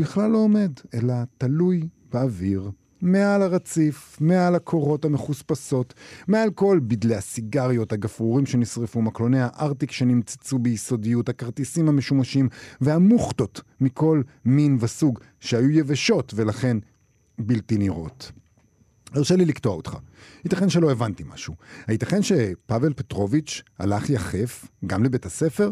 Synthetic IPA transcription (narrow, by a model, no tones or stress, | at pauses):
biχlalːo̞ːme̞d̪e̞lat̪aluj | b̥eaviʁ | me̞alhaʁat͡sifme̞alhakʰo̞ʁo̞thame̞χuspaso̞t̪mealko̞lbid̪leasiɡaʁjo̞thaɡafuʁimʃe̞nisʁefumaklo̞nehaʔaʁt̪ikʃe̞nimt͡sḁt͡subejiso̞dijuthakaʁt̪isimhameʃumaʃimveamuχto̞tmikʰo̞lminvesuɡ | ʃehajujeveʃo̞tve̞laχe̞n | biltiniʁo̞̰t̪ | eʁʃeliliktoaot̪χa̰hitaχenʃe̞loevantima̰ʃuhait̪aχenʃe̞pave̞lpetʁo̞vit͡ʃha̰laχjaχe̞fɡamlebe̞tase̞fe̞ʁ